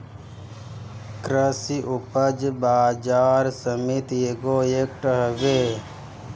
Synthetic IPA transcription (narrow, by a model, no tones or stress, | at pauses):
kɾəsiʔupəd͡ʒbaːd͡ʒaːɾsəmit̪jeɡoek̚ʈəɦəʋe